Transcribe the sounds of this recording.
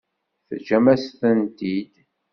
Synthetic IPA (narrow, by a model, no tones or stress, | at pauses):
θəd͡ʒæmæsθənt̪id̪